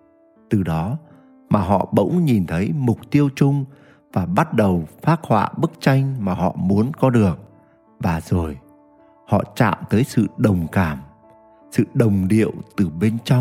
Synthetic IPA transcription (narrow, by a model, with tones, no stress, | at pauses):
t̪ɨ˨˩ɗɔ˨˦ | maː˨˩ɦɔ̰˧˨ɓə̰˧˥wŋ͡mɲi˨˩nt̪ʰə˨˦jmʊ˨˩k͡p̚t̪i˧əwt͡ɕʊ˧ŋ͡m | vaː˨˩ɓa˦˥t̚ɗə˨˩wfaː˦˥t̚hwa̰ː˧˨ɓɨ˦˥k̚t͡ɕa˧jŋ̟maː˨˩hɔ̰˧˨mu˨˦ənkɔ˨˦ɗɨ˨˩ək̚ | vaː˨˩zo˨˩j | hɔ̰˧˨t͡ɕa̰ː˧˨mt̪əː˨˦jsɨ̰˧˨ɗə˨˩wŋ͡mkaː˧˩m | sɨ̰˧˨ɗə˨˩wŋ͡mɗḭ˧˨əwt̪ɨ˨˩ɓe˧nt͡ɕɔ˧wŋ͡m